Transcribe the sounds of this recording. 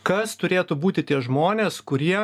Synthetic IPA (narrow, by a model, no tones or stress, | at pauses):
kɐst̪ʊɾʲeːt̪ubuːt̪ʲɪt̪ʲiɛʒmoːnʲeːskʊɾʲiɛ